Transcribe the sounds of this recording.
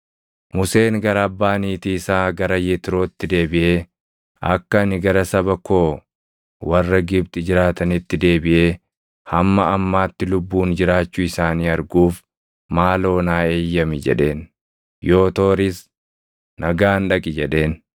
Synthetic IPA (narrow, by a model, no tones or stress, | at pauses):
mʊse̞ːŋɡɐɾɐɐbːaːniːt̪iːɪsaːɡɐɾɐjet̪ɪɾo̞ːɪt̪ːɪd̪e̞ːbɪʔe̞ː | ɐ̰kːɐnɪɡɐɾɐsɐbɐko̞ː | wɐrːɐɡɪbt̪ɪd͡ʒɪɾaːt̪ɐnɪt̪ːɪd̪e̞ːbɪʔe̞ː | hɐmːɐɐmːaːt̪ːɪlʊbːuːnd͡ʒɪɾaːt͡ʃːʊɪsaːniːɐɾɡuːf | maːlo̞ːnaːe̞ːjːɐmɪd͡ʒɛ̰ᶑe̞ːn | jo̞ːt̪o̞ːɾɪs | nɐɡaːnᶑɐkʼɪd͡ʒɛᶑe̞ːn